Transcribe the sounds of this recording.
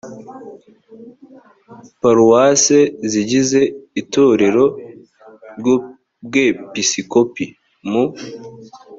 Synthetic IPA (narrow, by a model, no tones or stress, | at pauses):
paɾuwaseziɟize̞ito̞ɾe̞ɾo̞ | ɾɟo | bɡepisikopi | mu